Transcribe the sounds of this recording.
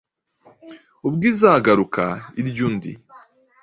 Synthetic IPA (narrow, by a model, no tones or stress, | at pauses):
ubɡiːzaːɡaɾukʰa̰iɾɟuːndḭ